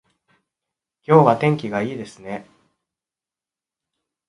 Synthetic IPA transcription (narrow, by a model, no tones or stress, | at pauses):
kʲo̞ːβat̪ẽ̞ŋkʲiɡaiːd̪e̞sɨne̞